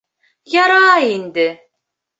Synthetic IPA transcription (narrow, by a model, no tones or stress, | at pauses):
jaɾaːind̪ɪ